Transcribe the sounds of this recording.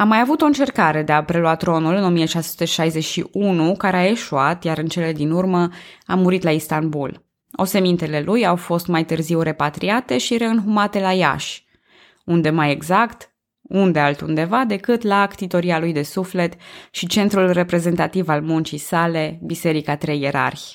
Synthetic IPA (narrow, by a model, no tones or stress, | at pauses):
amːajavut̪o̞ɨnt͡ʃe̞rkaɾe̞d̪e̞apɾe̞luat̪ɾo̞nulɨno̞mijeʃase̥su̥t̪e̞ʃajze̞ʃḭunukaɾeae̞ʃuat̪jaɾɨnt͡ʃe̞leled̪inurməamuɾit̪laist̪anbul | o̞̰se̞mint̪ele̞lujawfo̞st̪majt̪ɨrziwre̞pat̪ɾiat̪e̞ʃiɾe̞ɨnɦumat̪e̞laja̰ʃʲ | und̪e̞maje̞ɡzakt̪ | und̪ealt̪und̪e̞vad̪e̞kɨt̪lakt̪it̪o̞ɾialujd̪e̞sufle̞t̪ʃit͡ʃe̞nt̪ɾulre̞pɾe̞ze̞nt̪at̪ivalmunt͡ʃisale̞bise̞ɾikat̪ɾe̞je̞ɾa̰rçʲ